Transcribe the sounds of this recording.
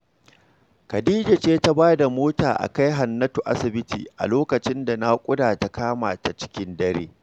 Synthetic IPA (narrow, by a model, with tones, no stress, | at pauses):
kɐ˨diː˦d͡ʒa˨t͡ʃeː˦ta˦baː˦da˨moː˦taː˨ʔa̰˨ka˦jɦa˨nːɐ˦tu˨ʔa˦sɪ˨bɪ˦tḭː˨ʔa̰˨loː˦kɐ˨t͡ʃɪ˦nda˨na˦kʷʼʊ˦daː˨ta˨kaː˦ma̰ː˨ta˨t͡ʃɪ̥˦kʲɪ˦ndɐ˦ɾḛː˦